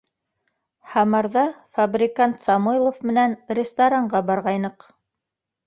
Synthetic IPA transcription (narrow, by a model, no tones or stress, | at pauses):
hɑmɑɾðɑfabrʲɪkant̪sɑmujlˠofmɘ̆nænrʲɪst̪aɾaɴɢɑbɑɾʁɑjnɤq